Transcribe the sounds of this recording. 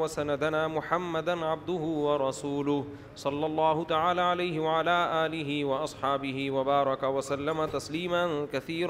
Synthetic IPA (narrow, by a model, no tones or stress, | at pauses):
wasanad̪anaːmʊħamːad̪anʕab̚d̪ʊɦʊwɑɾˤɑsuːlʊh | sˤɑlːɑlˤːɑːhʊt̪aʕaːlaːʕalajɦɪwaʕalaːʔaːlɪɦɪwɑʔɑsˤħɑːbɪɦɪwabɑːɾˤɑkawasalːamat̪asliːmankaθiːɾ